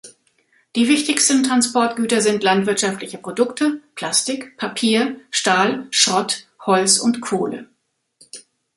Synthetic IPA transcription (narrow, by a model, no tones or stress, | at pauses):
d̥iːvɪçtɪçstn̩tʁ̥anspɔɐtɡ̥yːtɐzɪntlantv̥ɪɐtʃaftlɪçəpʁ̥odʊktʰəpʰl̥astɪkpʰapʰiːɐʃtaːlʃʁɔthɔlt͡sʊntkʰoːlə̰